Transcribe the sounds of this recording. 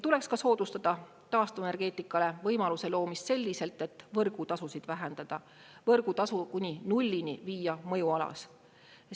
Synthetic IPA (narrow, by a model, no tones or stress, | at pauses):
t̪ule̞kskɑso̞ːd̪̥ust̪ɑd̪̥ɑ | t̪ɑːst̪uvee̞rɡ̥e̞ːt̪ˑːikːˑɑle̞vɤjmɑluse̞lo̞ːmist̪se̞lʲːise̞lt̪ːˑe̞t̪ːˑvɤrɡ̥ut̪ɑsusid̪̥væɦend̪̥ɑd̪̥ɑ | vɤrɡ̥ut̪ɑsukunʲinulʲːiniviːjɑmɤjuɑlɑ̰s